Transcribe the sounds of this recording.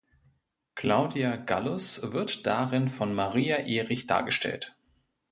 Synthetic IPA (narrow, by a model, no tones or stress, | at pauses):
kʰlaʊdiaɡa̰lʊsvɪɐtd̥aʁɪnfɔnmaʁiːaʔeːʁɪçd̥a̰ːɐɡəʃtʰɛ̰lt